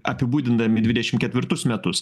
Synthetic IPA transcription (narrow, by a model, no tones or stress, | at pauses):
ʔɐpʲɪbuːd̪ʲɪnd̪ɐmʲɪd̪ʲʋʲɪd̪ʲɛʃʲɪmkʲɛt̪ʲʋʲɪɾt̪ʊsmʲɛt̪ʊs